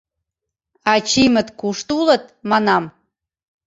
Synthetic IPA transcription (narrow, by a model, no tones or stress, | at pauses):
ɑt͡ɕimə̆t̪kuʃt̪ulə̆t̪̚mɑnɑm